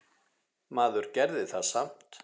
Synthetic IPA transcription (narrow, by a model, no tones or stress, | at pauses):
maːðʏɾ̥cɛɾðɪθaðsam̥t̪